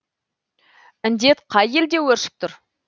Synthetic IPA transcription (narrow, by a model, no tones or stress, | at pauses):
ɪnd̪e̞t̪qʰɑjeld̪e̞wɵɾʃɪ̥p̚t̪ʰʊɾ